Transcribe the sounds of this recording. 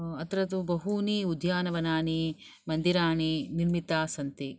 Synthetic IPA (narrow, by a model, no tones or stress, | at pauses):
ɐt̪ɾɐt̪ubɐɦuːniːud̪ʱjaːnɐʋɐnaːni | mɐnd̪iɾaːniniɾmit̪aːsɐnt̪i